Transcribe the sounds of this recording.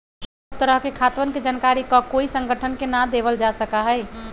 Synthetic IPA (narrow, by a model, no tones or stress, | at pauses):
t̪əɾəɦkekʰat̪ʋənked͡ʒankaɾikɔkoisə̃ŋɡʱəʈʰənkenad̪eʋəld͡ʒasəkaɦɛɪ